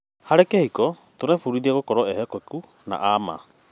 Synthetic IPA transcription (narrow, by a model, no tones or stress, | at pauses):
haɾekehikɔ | t̪oɾefuɾiɾiaɡokɔɾɔehekoku | na̰ʔaːma̰